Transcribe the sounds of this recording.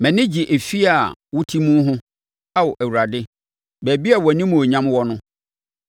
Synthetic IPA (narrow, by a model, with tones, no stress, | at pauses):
mɛ̃˨nɪ̃˦d͡ʑi˨ʔe˨fi˦a˨wʊ˦tʰi˦mũ˦ɦʊ̃˦ | a˦wɔ˨ʔæ˨wu˨ɾa˨dɪ˦ | bæ˨bi˦a˨wɔ˨nĩ˦mũ˨o˨ɲã˦mwɔ˦nʊ̃˦